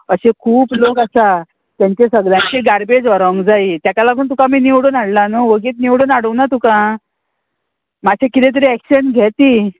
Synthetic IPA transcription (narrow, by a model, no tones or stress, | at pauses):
əɕekʰuːplokasa | t̪jãɲt͡ɕesəɡljãɲt͡ɕeɡaɾbed͡zɔɾəŋɡd͡zait̪jakalaɡʰʱuːnt̪ukamiːniwɽunaɽlanəʋəɡiːt̪̚niʋɽuːnaɽəwnat̪ukã | mat͡ɕʰekit̪ẽt̪̬əɾiækɕənɡʱɛt̪iː